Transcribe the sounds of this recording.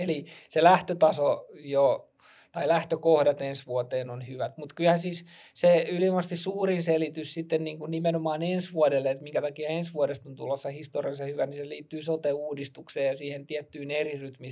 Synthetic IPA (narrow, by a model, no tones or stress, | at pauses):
eliselæht̪øt̪ɑsojo | t̪ɑilæht̪økohdɑt̪ensʋuot̪eːnonhyʋæt̪mut̪kylhænsiːsseyliomɑst̪issuːrinselit̪yssit̪ːenniːŋkunnimenomɑːnensʋuɔdelːeet̪miŋkæt̪ɑkiɑensʋuoɾest̪ont̪ulosːɑhist̪oriɑsɑhyʋæniseliːt̪ːyːsot̪euːdist̪ukseːjɑsiːhent̪iɛt̪ːyːneriryt̪mi